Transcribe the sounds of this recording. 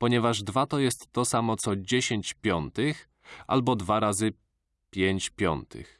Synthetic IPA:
pɔɲɛvaʐd̪vat̪ɔjɛst̪ːɔsamɔt̪sɔd͡ʑeɕeɲt͡ɕpʲjɔnt̪ɘx | ʔa̰lbɔd̪vaɾazɘ | pʲjeɲt͡ɕpʲjɔ̰nt̪ʰɘ̰x

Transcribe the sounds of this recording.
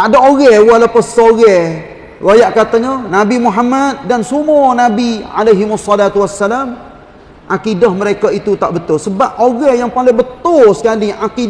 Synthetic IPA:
adaoɣɛhwalapəsoɣɛh | wajaʔkat̪aɲənabimuɦamat̪̚dansumɔnabiʕa̰lajɦɪmasːɔlat̪uwasːalam | ʔakidahməɾekait̪ut̪a̰ʔbət̪ʊlsəbap̚ʔoɣɛhjaŋpalɪŋbət̪ʊlsə̥kaliʔaki

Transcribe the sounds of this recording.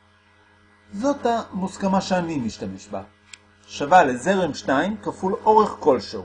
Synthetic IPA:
zo̞thamuskamaʃeanimiʃtame̞ʃba | ʃavalezeʁemʃtaimkafulo̞ʁe̞χko̞lʃo

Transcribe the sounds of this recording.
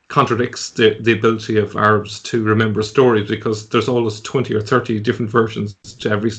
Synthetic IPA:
kʰɑ̃ntɹ̥ədɪk̚tsðəðiəbɪlətiʌva̰ɹəbz̥tʰəɹɪmɛ̃mbə˞stɔːɹibɨkʰɒzðə˞zɔlˠmwoʊstʰw̥ɛ̃ntiə˞θɜ˞tidɪfɹə̃ntv̥ɜ˞ʃə̃nz̥z̥tʰəɛvɹis

